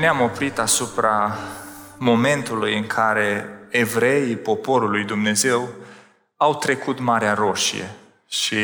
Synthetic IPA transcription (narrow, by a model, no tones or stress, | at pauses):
neamo̞pɾit̪asupɾa | mo̞me̞nt̪ulujɨŋkʰaɾe̞evɾe̞ipo̞po̞ɾulujd̪umne̞ze̞w | awt̪ɾe̞kut̪maɾeaɾo̞ʃḭjḛ | ʃi